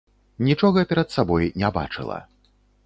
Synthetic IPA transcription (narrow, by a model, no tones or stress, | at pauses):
nʲit͡ʂɔɣɐpʲɛɾɐt̪sabɔjnʲaba̰t͡ʂɨ̰lˠɐ̰